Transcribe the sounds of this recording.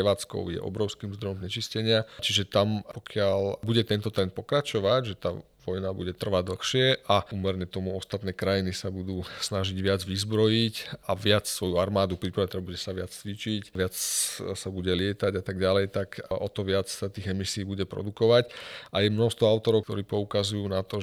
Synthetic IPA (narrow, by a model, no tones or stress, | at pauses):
ɛʋaːt͡skɔ̰ʊjɛ̰ʔɔ̰bɾɔʊskiːmzd̪ɾɔjɔmɲɛt͡ʃiscɛɲɪat͡ʃiʒɛt̪ampɔkɪalbuɟɛt̪ɛnt̪ɔt̪ɾɛnt̪̚pɔkɾat͡ʃɔʋaɟʒɛt̪aː | ʋɔjnabṵɟɛt̪r̩ʋaɟd̪l̩xʃɪɛʔauːmɛɾɲɛt̪ɔmuɔst̪at̪nɛːkɾajinisabud̪uːsnaʒiɟʋɪad͡zʋizbɾɔjicaʋɪat͡ssʋɔjuaɾmaːd̪upɾipɾaʋɛt̪ɛbuɟɛsaʋɪat͡st͡sʋit͡ʃicʋɪat͡ssabuɟɛlɪɛt̪aɟat̪aɡɟalɛjt̪akʔɔt̪ɔʋɪat͡ssat̪iːɣɛmisiːbuɟɛpɾɔ̰d̪ukɔʋacʔajɛmnɔst̪ʋɔaʊt̪ɔɾɔʊkt̪ɔɾiːpɔukazujuːnat̪ɔ